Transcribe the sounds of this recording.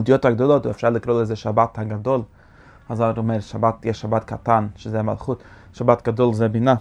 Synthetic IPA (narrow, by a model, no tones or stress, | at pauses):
dijɔthaɡdɔlˠɔtuɛfʃaɾlˠɪkɾolˠɛzɛʃabathaɡadɔlˠ | azaɾɔmɛɾʃabatjɛʃʃabatkatanʃəzɛama̰lˠχut | ʃabatɡadɔlˠzɛbɪna